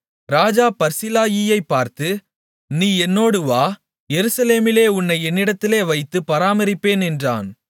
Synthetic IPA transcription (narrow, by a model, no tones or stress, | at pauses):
ɾaːd͡ʒaːpɐɾsɪlaːjijɐɪpːaːɾt̪ɯ | niːɛnːoːɽɯʋaː | jɛɾɯsɐleːmɪleːʊnːɐɪɛnːɪɽɐt̪ːɪleːʋɐɪt̪ːɯpːɐɾaːmɐɾɪpːeːnɛndra̰ːn